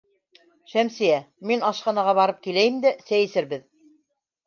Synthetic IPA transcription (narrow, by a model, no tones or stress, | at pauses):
ʃæmsɘjæ | minɑʃqɑnɑʁɑβɑɾɤp̚kilæjɘmd̪æsæjɘ̆sɘ̆ɾbɘð